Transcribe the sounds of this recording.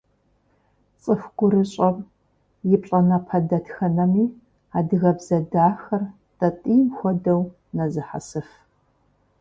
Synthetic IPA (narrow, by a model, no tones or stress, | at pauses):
t͡sʼɨfɡ̥ʷʊɾɨɕʼɐp | jɪpʼɕʼɐnɐpʰɐdɐtxɐnɐmiː | aːdɨɣɐbz̥ɐdaːxɐr | tʼɐtʼiːmxʷɔdɐw | nɐzɨħa̰sɨf